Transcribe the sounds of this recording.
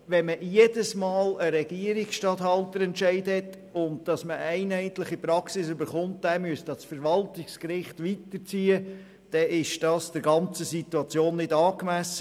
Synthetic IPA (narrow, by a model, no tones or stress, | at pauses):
ʋɛnməjedəsmɑːləɾɛɡ̥iəɾɪksʃtɑthɑltəɾɛntʃɛɪdhɛt | ʊnd̚d̥ɑsməʔæɪnæɪt̪ləχipɾɑksɪsʏbəɾχʊnt̚d̥æmyəstɑsfəɾʋɑltɪkskɾɪχtʋitəɾt͡siːə | d̥ɛɪʃd̥ɑːsd̥əɾɡɑnt͡səsituɑt͡sjoːnːɪdɑːkmæsə